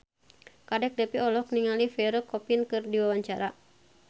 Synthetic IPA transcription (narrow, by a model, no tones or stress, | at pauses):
kadɛk̚dɛpiɔlɔkniŋalifɛɾɔkɔpinkɨrdiwawaɲt͡ʃaɾa